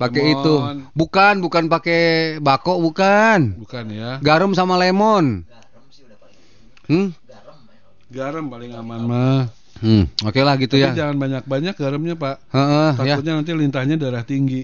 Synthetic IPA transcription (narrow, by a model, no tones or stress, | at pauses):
pakeit̪unbukanbukanpakebakɔʔbukanbukanjaɡaɾəmsamalemɔn | ɡaɾəmpalɪŋamanmah̩ | okelahɡit̪ujad͡ʒaŋanbaɲak̚baɲak̚ɡaɾəmɲapaʔhəʔət̪ajaut̪̚ɲanant̪ilint̪ahɲadaɾaht̪iŋɡi